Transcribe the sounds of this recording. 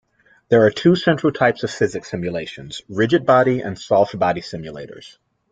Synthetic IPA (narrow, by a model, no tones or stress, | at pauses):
ðə˞ːtʰʉsɛ̃nt͡ʃɹ̥l̩ˠtʰaɪpsʌv̥fɪzɨksɪ̃mjɨleɪʃɨ̃nz̥ɹɪd͡ʒɨd̚bɑɾiɨ̰̃nsɔlˠf̚b̥ɑɾisɪ̃mjɨlḛɪɾə̰˞z̥